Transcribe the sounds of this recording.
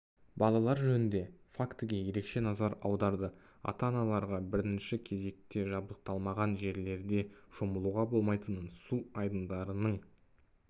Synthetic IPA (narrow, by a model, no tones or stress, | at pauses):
bɑlˠɑlˠɑɾʒɵnɪnd̪e̞fakt̪əɡʲe̞je̞ɾe̞kʃe̞nɑzɑɾɑwd̪ɑɾd̪ə | ɑ̰t̪ɑnɑlˠɑɾʁɑbɪɾɪnʃɪkʲʰe̞ze̞k̚t̪e̞ʒɑb̚d̪əq̚t̪ɑlˠmɑʁɑnʒe̞ɾle̞ɾd̪e̞ʒ̥o̞məlˠuʁɑbo̞lˠmɑjt̪ənənsuɑjd̪ənd̪ɑɾənəɴ